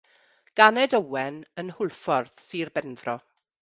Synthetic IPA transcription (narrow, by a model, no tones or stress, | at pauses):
ɡ̥anɛdəwɛnənhʊlˠfɔrθsirbɛnðrɔ